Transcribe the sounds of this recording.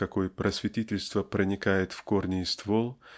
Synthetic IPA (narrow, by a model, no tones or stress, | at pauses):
ɐko̞jəpɾʔəsvʲɪtʲitʲɪlʲst̪vəpɾənʲɪkajɪt̪fkornʲɪɪst̪volˠ